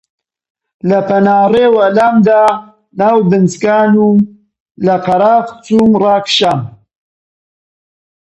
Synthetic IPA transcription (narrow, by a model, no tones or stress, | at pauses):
lɐpɐnaːreːwɐlamd̪aː | naːwbɨnzkaːnu | lɐqɐɾaːft͡sumrɑːkʃam